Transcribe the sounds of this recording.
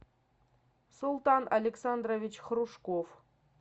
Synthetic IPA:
sulˠt̪ɑnʔɐlʲeksɑnd̪rovʲit͡ɕχruʂkof

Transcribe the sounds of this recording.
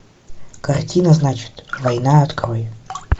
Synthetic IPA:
kɐrtʲinəznat͡ɕɪ̥t̪vɐjnaɐt̪kɾojɪ

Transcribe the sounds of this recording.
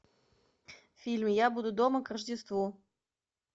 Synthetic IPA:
fʲilʲmjabud̪ud̪oməkrəʐdʲɪst̪vu

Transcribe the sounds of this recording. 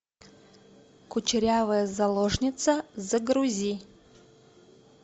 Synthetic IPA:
kʊt͡ʃɪɾʲavəjɐzɐlˠoʐnʲɪt̪sɐzɐɡɾuzʲi

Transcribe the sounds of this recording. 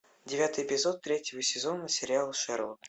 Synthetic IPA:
dʲɪvʲat̪ɨjɪpʲɪzo̞t̪ːɾʲetʲjɪvəsʲɪzo̞nəsʲɪɾʲɪalˠʂɛɾlˠə

